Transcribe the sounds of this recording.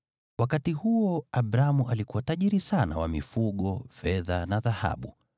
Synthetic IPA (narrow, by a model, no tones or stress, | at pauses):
wakatihuɔaɓɾamuʔalikuwataʄiɾisana̰wa̰mifuɠɔfɛðanaðaha̰ɓu